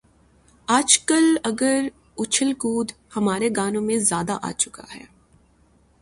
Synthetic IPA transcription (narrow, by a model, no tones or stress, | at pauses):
aːd͡ʒkəlɐɡəɾ | ʊt͡ʃʰəlkuːd̪hɐmaːɾeɡaːnõmẽzjaːd̪aʔa̰ːt͡ʃʊka̰ɦɛ̰ː